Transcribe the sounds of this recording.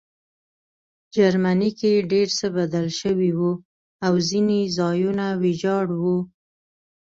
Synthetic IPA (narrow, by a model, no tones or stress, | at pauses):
d͡ʒaɾmanikeɖeɾsəbad̪alʃəwiwu | awzinezɑjunawɪd͡ʒɑɽwu